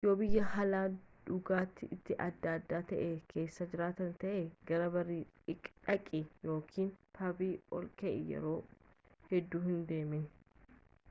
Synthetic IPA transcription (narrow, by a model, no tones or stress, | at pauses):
jobɪjːɐɦɐlaːᶑ̪ʊɡaːt̪ːɪʔɪt̪ːɪʔɐd̪ːaːd̪ːaːt̪ɐʔeːkʰe̞ːsːɐd͡ʒɪɾaːt̪ɐnt̪ɐʔeɡɐɾɐbɐrːiː | ɪkʼᶑɐkʼijo̞ːkʰiːnpɐbiːɔ̰lkɛʔɪjɛ̰ɾo̞ː | hɛd̪ːuːhɪnd̪e̞ːmɪn